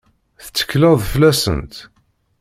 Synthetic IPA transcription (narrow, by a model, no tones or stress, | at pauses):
θə̥t͡sːə̥kːləðˤflæsə̰nt̪